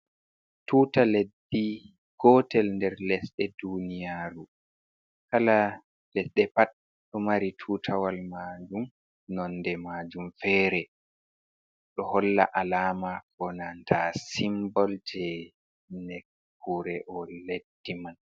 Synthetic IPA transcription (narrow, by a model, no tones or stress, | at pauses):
tuːtaledːi | ɡ̥ɔtɛlndɛɾlɛsɗɛdunijaːɾu | kala | lɛsɗɛpat̚ | ɗɔmaɾitʰuːtʰawalmad͡ʒum | nɔndɛmaːd͡ʒumfɛːɾɛ | ɗɔhɔlːa̰ʔalaːmakʰɔnantʰasimbɔltʰɛ | nɛk | kːuɾɛʔɔledːiman